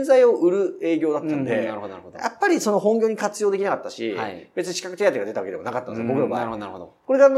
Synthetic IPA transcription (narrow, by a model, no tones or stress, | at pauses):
nzaio̞ʔɯ̟ɾɯ̟e̞ːɡʲo̞ːd̪at̪ːãnd̪e | ja̰pːaɾʲiso̞no̞ɦõ̞ŋɡʲo̞ːɲ̟ikat͡sɨjo̞ːd̪e̞kʲnakat̪ːaɕibe̞t͡sɨɲiɕi̥kakɯ̟t̪e̞jat̪eɡad̪e̞t̪aβakedeonakat̪ːansjbokɯɾaβako̞ɾe̞ɡan